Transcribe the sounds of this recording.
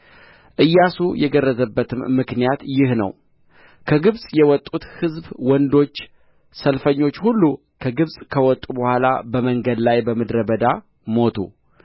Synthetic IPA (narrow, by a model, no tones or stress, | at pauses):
ʔɨjːasujɛɡərːəzəbːət̪ʰɨmːɨknijat̪jɪhnə̰w | kʰəɡɨβsʼjɛwɔt̪ʼːut̪hɨzbwɔnd̪o̞t͡ʃː | səlfəɲːo̞t͡ʃːhulːu | kʰəɡɨβsʼkʰəwɔt̪ʼubəhʷala̰bəməŋɡəd̪lajbəmɨd̪ɾəbəd̪a | mo̞t̪ʰṵ